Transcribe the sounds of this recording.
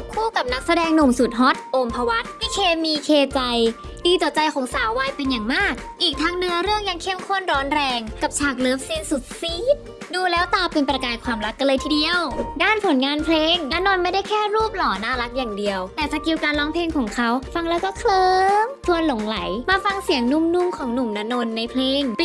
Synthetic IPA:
kʰuː˥˩ka˨˩p̚na˦˥k̚sa˧dɛː˧ŋnu˨˩msu˨˩t̪̚ɦɔ˦˥t̪̚ʔo˧mpʰa˧wa˦˥t̪̚miː˧˥˩kʰeː˧miː˧kʰeː˧t͡ɕa˧j | diː˧t̪ɔ˨˩t͡ɕa˧jkʰɔː˩˦ŋsaː˥˩wwːaː˧jpe˧njaː˨˩ŋmaː˥˩k̚ʔiː˨˩k̚t̪ʰaː˦˥ŋnɯ˦˥ɐɾɯ˥˩əŋja˧ŋkʰe˥˩mkʰo˥˩ənɾɔː˦˥nɾɛː˧ŋka˨˩p̚t͡ɕʰaː˨˩k̚lɤː˦˥p̚si˦˥˩nsu˨˩t̪̚siː˦˥t̪̚duː˧lɛː˦˥wt̪aː˧˩pe˧npɾa˧kaː˧jkʰwaː˧mɾa˦˥kːa˧lɤː˧jt̪ʰi˧di˧əwdaː˥˩npʰo˨˩˦nŋaː˧npʰleː˧ŋna˦˥noː˧nma˥˩jda˥˩jkʰɛː˥˩ɾuː˥˩p̚lɔː˩˦naː˥˩la˦˥k̚jaː˨˩ŋdi˧əwt̪ɛː˨˩sʰa˧ki˧wkaː˧nlɔː˦˥ŋpʰleː˧ŋkʰɔː˩˦ŋkʰa˦˥wfa˧ŋlɛː˦˥wkɔː˥˩kʰlɤː˧ŋt͡ɕʰu˧ənlo˨˩˦ŋla̰˩˦jmaː˧fa˧ŋsi˩˦əŋnu˧˥˩mnu˧˥˩mkʰɔː˩˦ŋnu˨˩mna˦˧˥no˧nːa˧jpʰleː˧ŋ

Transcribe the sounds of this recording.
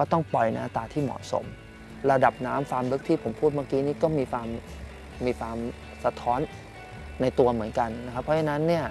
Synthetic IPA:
kɔː˥˩t̪ɔ˥˩ŋpɔ˨˩jna̰˦˧t̪aː˧t̪ʰiː˥˩mɔ̰˨˩so̰˩˦m | ɾa˧da˨˩p̚naː˦˥mfaː˧mlɤ˦˥k̚t̪ʰiː˥˩pʰo˩˦mpʰuː˥˩t̪̚maː˧˥˩kiː˦˥niː˥˩kɔː˥˩miː˧kʰwaː˧mː | iː˧kʰwaː˧m | sa˧t̪ʰɔː˦˥nː | a˧jt̪u˧ɐmɯ˩˦ənka˧nna˦˥kʰa˦˥pʰːɾɔ˦˥t͡ɕʰa˧na˦˥nːi˥˩ɐ

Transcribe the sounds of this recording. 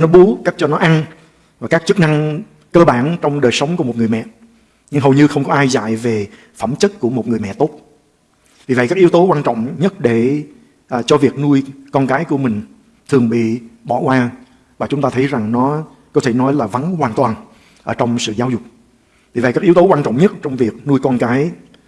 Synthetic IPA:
nɔ˨˦ɓu˨˦ka˦˥k̟̚t͡ɕɔ˧nɔ˨˦ʔa˧n | vaː˨˩kaː˦˥k̚t͡ɕɨ˦˥k̚na˧ŋ | kəː˧ɓaː˧˩nt͡ɕɔ˧wŋ͡mɗəː˨˩jsə˨˦wŋ͡mku˧˩əmo˨˩t̚ŋɨ˨˩əjmɛ̰˧˨ | ɲɨ˧ŋɦə˨˩wɲɨ˧xə˧wŋ͡mkɔ˨˦ʔaː˧jza̰˧˨jve˨˩ | fə˧˩mt͡ɕə˦˥t̚ku˧˩əmo˨˩t̚ŋ˨əjmɛ̰˧˨t̪o˦˥t̚ | vi˨˩və̰˧˨jkaː˦˥k̚ʔi˦əwt̪o˨˦kwaː˧nt͡ɕɔ̰˧˨wŋ͡mɲə˦˥t̚ɗe˧˩ | ʔt͡ɕɔ˧vi˨˩ək̚nu˧əjkɔ˧nkaː˨˦jku˧˩əmï˨˩ŋ̟ | t̪ʰɨ˨˩əŋɓḭ˧˨ɓɔ˧˩˨kwaː˧ | vaː˨˩t͡ɕʊ˨˦ŋ͡mt̪aː˧t̪ʰə˨˦jza˨˩ŋnɔ˨˦ | kɔ˨˦t̪ʰe˧˩nɔ˨˦jlaː˨˩və˨˦nhwaː˨˩nt̪waː˨˩n | ʔəː˧˩˦t͡ɕɔ˧wŋ͡msɨ̰˧˨zaː˨˦wzʊ˨˩k͡p̚ | vi˨˩və̰˧˨kaː˦˥ki˨˦əwt̪o˨˦kwaː˧nt͡ɕɔ̰˧˨ŋ͡mɲə˦˥t̚t͡ɕɔ˧wŋ͡mvi˨˩ək̚nu˧əjkɔ˧nkaː˨˦j

